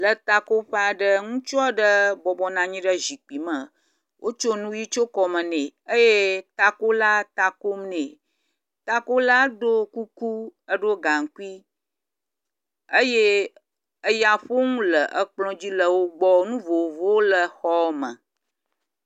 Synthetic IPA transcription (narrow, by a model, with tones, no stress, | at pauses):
lə˨t̪a˦˨ko˦ɸe˦a˨ɖə˦ŋũ˦t͡ʃɔ˦ɖə˦bɔ˨bɔ˦nã˨ɲĩ˦ɖə˦zi˨k͡pi˨mə̃˨ | wʔo˦t͡ʃo˦nũ˦ji˦t͡ʃo˦kɔ˨mə̃˨nẽ˨ə˦je˦t̪a˦ko˦la˦t̪a˨ko˦mnẽ˨ | t̪a˦ko˦la˦ɖo˦ku˦ku˦ə˦ɖo˦ɡa˨ŋ˨ku˦i˦ | ə˦je˦ | ə˦ja˨ɸo˦ŋũ˦lə˨ʔə˦k͡plɔ̃˦d͡ʑi˦lə˨wo˦ɡ͡bɔ˦nũ˦vo˨vo˦wo˦lə˨xɔ˦mə̰̃˨